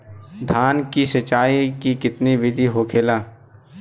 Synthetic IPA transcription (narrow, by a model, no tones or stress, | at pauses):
d̪ʱaːnkisət͡ʃːaːikikɪt̪niʋɪd̪ʱiɦoːkʰeːlaː